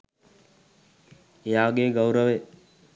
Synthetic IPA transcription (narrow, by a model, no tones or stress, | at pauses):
jaːɡeːɡəwɾəʋe